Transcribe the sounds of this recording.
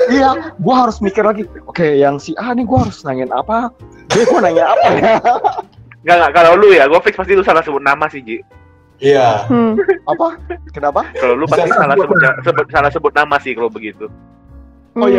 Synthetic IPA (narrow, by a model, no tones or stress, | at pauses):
ijaɡuaɦaɾʊsmikɪrlaɡiokejaŋsɪaniɡuaɦaɾʊsənaŋɪna̰pa | bɛɡuanaŋɪnapaja | ŋɡaʔŋɡaʔkalawlujaɡuafɪk̚spast̪ilusalahsəbʊt̪̚namasɪhd͡ʒi | ija | apakənapakalawlupast̪isalasəbʊt̪̚jasəbʊt̪̚salasəbʊt̪̚namasɪhkalabəɡit̪u | oja